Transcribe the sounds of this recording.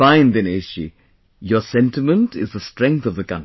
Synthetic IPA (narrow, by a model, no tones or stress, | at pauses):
ãɪ̃nd̪ɨ̃neʃḭ | jə˞sɛ̃ntɪmə̃ntɪzðəstɹ̥ɛ̃ŋk̚θʌvðəkʌ̃n